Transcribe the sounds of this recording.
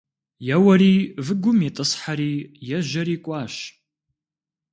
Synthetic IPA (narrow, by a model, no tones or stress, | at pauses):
jɐwɐɾiːvɨɡʷʊmjetʼɨsħaɾiːjɛʒɐɾiːkʷʼɑːɕ